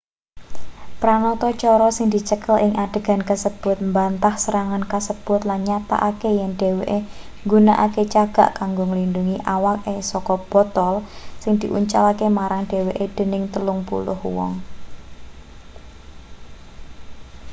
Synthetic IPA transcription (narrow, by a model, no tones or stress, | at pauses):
pɾanɔt̪ɔt͡ʃɔɾɔsɪŋd̪̥it͡ʃəkəlʔɪŋʔaɖ̥e̤ɡ̥a̤nkəsəb̥ʊt̪̚mbant̪ahsəɾaŋankəsəb̥ʊt̪lanɲat̪a̰ʔakejɛŋɖ̥e̤weʔe | ŋɡunaʔaket͡ʃaɡ̥a̤̰ʔkaŋɡoŋəlinduŋiʔawak̚esɔkɔb̥ɔ̤t̪ɔlsɪŋd̪̥i̤ʔṵɲt͡ʃalakemaɾaŋɖ̥e̤weʔed̪̥e̤nɪŋt̪əlʊŋpṵlʊ̰hwɔ̰ŋ